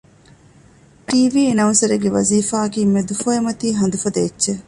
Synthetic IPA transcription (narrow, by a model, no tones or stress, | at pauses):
ʈiːʋiːenɐunsɐɾeɡeʋɐ̰ziːfaːkiːmed̪ufoemɐt̪iːɦɐnd̪ufɐd̪ɐːtːʃe